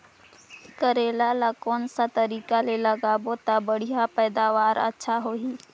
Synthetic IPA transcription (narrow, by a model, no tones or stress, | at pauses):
kəɾeːlalakɔːnsat̪əɾiːkaleləɡaːbot̪abəɽ̤ijapɛːd̪aːʋaːɾə̰tːʃʰaɦoːɦiː